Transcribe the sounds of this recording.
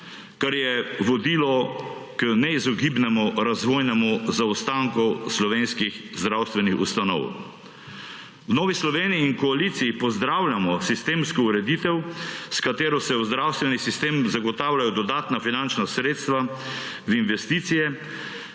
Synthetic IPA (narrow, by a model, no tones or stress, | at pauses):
kaɾjɛʋɔd̪iːlɔkənɛizɔɡibnɛmuɾazʋojnɛmuzawst̪aŋkɔslɔʋeːnskixzd̪ɾawst̪ʋɛnixṵst̪anɔ̰w | wnɔːʋislɔʋeːnijiːŋkɔalit̪sijipɔzd̪ɾawlʲjamɔsist̪eːmskɔuɾɛd̪it̪ɛwskat̪eːɾɔsɛwzd̪ɾawst̪ʋɛnisist̪eːmzaɡɔt̪awlajɔd̪ɔd̪aːt̪nafinant͡ʃnasɾeːt̪st̪ʋa | vinʋɛst̪it̪sijɛ